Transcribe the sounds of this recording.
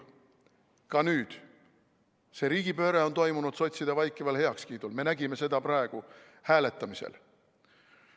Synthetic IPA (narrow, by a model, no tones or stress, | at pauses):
kɑnyːd̪̥ | se̞ɾiːɡ̥ipø̞ːɾeo̞nt̪o̞jmunud̪̥so̞t̪ʲsid̪̥ɑvɑjkːˑevɑlhe̞ɑkskiːd̪̥ulme̞næɡime̞se̞d̪̥ɑpɾɑe̞ɡ̥u | hæːle̞t̪ˑːɑmisḛl